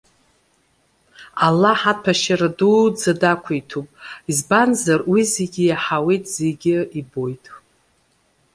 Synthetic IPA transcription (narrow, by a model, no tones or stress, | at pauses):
alːaħat̚pʰaʃaɾadud͡zadakʷʰaitʰupʼizbanzarwizeɡʲɪjaħawejtʼz̥eɡʲɪibo̞jtʼ